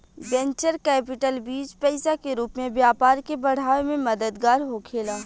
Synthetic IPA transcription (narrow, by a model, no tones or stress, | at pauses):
bɛ̃ɲt͡ʃəɾkɛːpɪʈəlbiːd͡ʒpɛɪsakeɾuːpmẽbjaːpaːɾkebɐɽ̤aːʋemẽmɐd̪əd̪ɡaːɾɦokʰeːlaː